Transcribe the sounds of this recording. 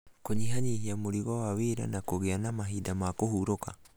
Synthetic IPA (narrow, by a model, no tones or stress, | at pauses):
koɲiɦaɲihiamoɾiɣawaweɾa̰nakoɣeanamaɦidamakohuɾoka̰